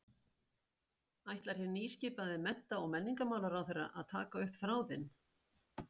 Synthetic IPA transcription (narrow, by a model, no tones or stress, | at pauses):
ajht̪laɾ̥çɛniːscɪːpaðɪmɛn̥t̪aɔɣmɛnːiŋkamaːwlaɾawθɛjrːa̰ʔa̰ðt̪ʰa̰ːkaʏhpθɾaːwðɪn